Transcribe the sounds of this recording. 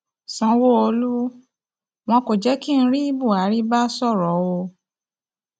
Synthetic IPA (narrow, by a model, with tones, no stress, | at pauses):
sɔ̃˨˦wo˦o˧lu˦ | w̃ɔ̃˧ko˨d͡ʒɛ˨˦kĩ˦˧˦ɾi˦i˦bu˦˨a˨˦ɾi˦ba˦sɔ˦˨ɾɔ˨˦wo˧